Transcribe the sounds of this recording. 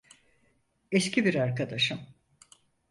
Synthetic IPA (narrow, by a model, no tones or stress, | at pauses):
escʲibiɾaɾkad̪aʃɯm